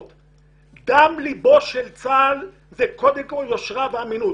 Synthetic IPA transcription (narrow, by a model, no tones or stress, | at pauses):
t̪ | ɡamlibo̞ʃelt͡sal | zekod̪emkoljoʃʁaveaminu